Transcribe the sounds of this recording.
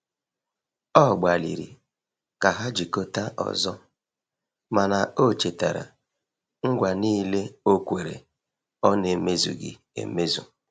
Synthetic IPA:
ɔ˦˨ɡ͡ba˨lḭ˨ɾḭ˨ | ka˨ɦa˦d͡ʒi˨ko˦ta˦ʔɔ̰˨zɔ˦ | ma˨na˨o˦˨t͡ʃe˨ta˨ɾa̰˨ | ŋ̩˦ɡʷa˨niː˦le˦o˦kʷe˨ɾḛ˨ | ɔ˦ne˨me˦zṵ˨ɡɪ̰˨ | ḛ˨me˦zṵ˨

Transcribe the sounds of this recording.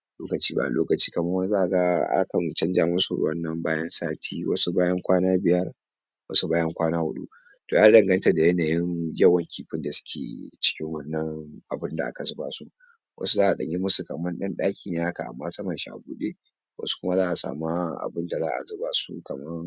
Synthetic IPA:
loː˦kɐ˨t͡ʃiː˦ba̰˦˨lʔoː˦kɐ˨t͡ʃiː˦kɐ˨mɐ˦wɐ˦zaː˦ʔa˨ɡa˦a̰˦kɐ˨nt͡ʃɐ˦nd͡ʒa˨mʊ˦sṵ˨˦wɐ˦nːɐ˨mbaː˦jɐ˦nsaː˦tʰiː˦wɐ̰˦su˦baː˦jɐ˦ŋkʷaː˦naː˦bɪ˨jɐ˦r | wʔɐ̰˦su˦baː˦jɐ˦ŋkʷaː˦naː˦hʊ̰˨ɗṵ˦ | toː˨ja˦dɐ˨ŋɡɐ˦ntɐ˨da˨jɐ˦naː˨jɪ˦ŋjɐ˦wɐ˨ŋkʲiː˦ɸɪ˦nda˨sʊ̥˦kʲḛ˨t͡ʃɪ̥˦kʲɪ˦ŋwɐ˦nːɐ˦ŋʔa˨bɪ˦nda˨ʔa̰˨ka˨zɪ˦ba̰ː˨su˦ | wʔɐ̰˦su˦zaː˦ʔa˨ɗɐ̰˨ɲi˦mʊ˦su˨kɐ˨mːɐ˦nɗɐ˦nɗaː˦kʲʰiː˨neː˦ha˦ka˨ʔa̰˨mːaː˦sɐ˦mɐ˨ʃi˦ʔa̰˨buː˦ɗe˦ | wʔɐ̰˦su̥˦kʷʊ˦ma˦zaː˦ʔa˨sa̰ː˨ma˦ʔa̰˨bɪ˦nda˨zaː˦ʔa̰˨zʊ˦baː˨sṵ˦kɐ˨mɐ˦ŋ

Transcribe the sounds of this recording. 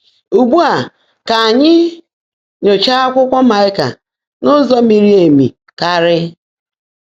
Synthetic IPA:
u˨ɡ͡bu˦a˨ | ka˨ɲɪ˦ | ɲo˨t͡ʃa˦a˦kʷʊ˦kʷɔ˦ma˨ɪ˦ka̰˨ | nʊ˦zɔ˦mi˨ɾi˦e˨mḭ˨ | ka˦ɾɪ˦

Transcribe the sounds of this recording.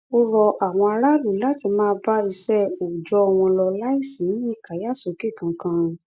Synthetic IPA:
o˦ɾɔ˧ʔa˨w̃ɔ̃˧a˧ɾa˦lu˨la˦ti˧mãː˦˧˦ba˦i˧sɛ˦o˨d͡ʒɔ˧w̃ɔ̃˧lɔ˧la˦i˦˨sĩ˨˦ji˦˨ka˨˦ja˦˨so˨˦ke˦˨kã˨˧kã˧

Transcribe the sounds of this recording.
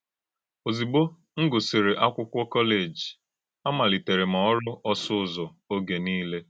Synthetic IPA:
o˨zi˨ɡ͡bo˦ | ŋ̩˦ɡʊ˨si˨ɾe˨ʔa˦kʷʊ˦kʷɔ˦kɔ˦le˨d͡ʒi˨ | a˦ma˨li˨te˨ɾe˨m̩˨ɔ˨ɔ˦ɾʊ˦ʔɔ˦sʊ˦ʊ˦zɔ˨ | o˦ɡe˨niː˦le˦

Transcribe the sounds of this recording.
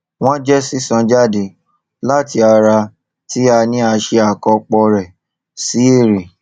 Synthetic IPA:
w̃ɔ̃˦d͡ʒɛ˦si˦sã˨˧d͡ʒa˦˨de˧˦ | la˦˨ti˧˦a˧ɾa˧ | ti˦a˧nĩ˦a˧ʃe˧a˨kɔ˧k͡pɔ˧ɾɛ˨ | si˨˦e˦˨ɾe˨

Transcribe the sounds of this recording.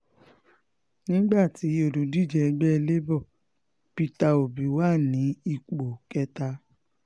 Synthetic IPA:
nĩ˦ɡ͡ba˦˨ti˨˦o˦˨du˨˦di˦˨d͡ʒɛ˧ɛ˧ɡ͡bɛ˦ɛ˧le˦bɔ˦˨ | pi˧ta˧o˨bi˨˦waː˦˨nĩ˨˦i˦˨k͡po˨kɛ˧˦ta˧

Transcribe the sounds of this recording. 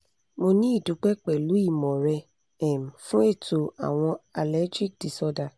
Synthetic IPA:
mo˧nĩ˦i˦˨du˨˦k͡pɛ˦k͡pɛ˨lu˨˦i˦˨mɔ̃˨ɾɛ˧ | ɛ˨m˨fũ˦e˦˨to˨a̰˨w̃ɔ̃˧a˨lɛ˨˦d͡ʒi˦k̚di˨sɔ˧da˧

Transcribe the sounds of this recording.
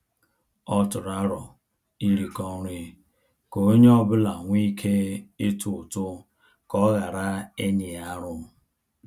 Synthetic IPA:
ɔ˦tʊ˨ɾa˦ɾɔ˨ | i˦ɾi˨kɔ˦ɾi˦ | ko˨˦ɲ˦ɔ˦bʊ˦la˨ŋʷi˦kʰe˦e˦tu˨tʊ˦ | kɔ˦ɣa˨ɾa˦e˦ɲɪ˨ja˦ɾʊ˦m̩˨

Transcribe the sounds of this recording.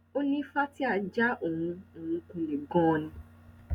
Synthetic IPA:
o˦nĩ˦fa˦ti˦a˦˧˨d͡ʒa˦ʔo˨ɦũ˧o˨ũ˧kũ˧le˨ɡɔ̃ː˦˧nĩ˧

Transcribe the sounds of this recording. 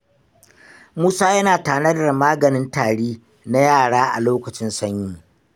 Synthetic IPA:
muː˦saː˦jɐ˦naː˨taː˨nɐ˦dɐ˨maː˦ɡɐ˨nɪ˦ntaː˨ɽiː˦ | na˦jaː˦˨ɽaː˦ʔa̰˨loː˦kɐ˨t͡ʃɪ˦nsɐ˦ɲjiː˦˨

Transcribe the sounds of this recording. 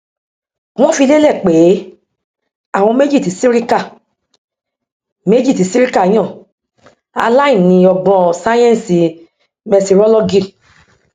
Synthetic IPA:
w̃ɔ̃˦fi˧le˦lɛ˦˨k͡pe˨˦ | a˦˨w̃ɔ̃˧me˦d͡ʒi˦˨ti˨˦si˦ɾi˦ka˦˨ | me˦d͡ʒi˦˨ti˨˦si˦ɾi˦ka˦˨i˨˦j̃ɔ̃˦˨ | a̰˧la˦ĩ˦˨nĩ˨˧˦ɔ˧ɡ͡bɔ̃˧˨sa˦j̃ɛ̃˦n˨si˨ | mɛ˧si˧ɾɔ˦lɔ˦ɡi˦˨

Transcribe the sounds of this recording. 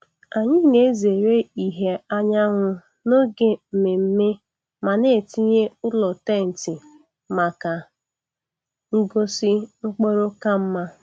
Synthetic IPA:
a˨ɲɪ˦ne˨˦ze˨ɾe˦i˨ɦe˦a˦ɲa˦ɦʊ˦ | no˦ɡe˨m̩˨me˨m̩˦me˦ | ma˨ne˦˨ti˦ɲe˦ʊ˦lɔ˨te˦˨n̩˨tɪ˨ | ma˨ka˨ | ŋ̩˦ɡo˦sɪ˦ŋ͡m̩˦k͡po˦ɾo˦ka˦m̩˦ma˦

